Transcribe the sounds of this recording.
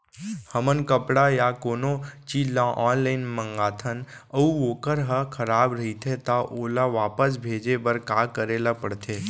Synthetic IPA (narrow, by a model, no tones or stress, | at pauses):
həmənkəpɽajakoːnot͡ʃilãʔɔːnlaːɪnmə̃ŋɡaːt̪ʰən | əuʋoːkəɾɦəkʰɐɾaːbɾɐɦit̪ʰet̪aʔoːlaʋaːpəs̬bʱeːd͡ʒebəɾkaːkəɾeːlapəɽt̪ʰeː